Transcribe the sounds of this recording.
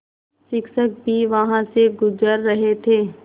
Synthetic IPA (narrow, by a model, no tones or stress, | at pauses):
sɪkʃək̚bʱiʋɐɦãseɡʊzəɾːɐɦet̪ʰeː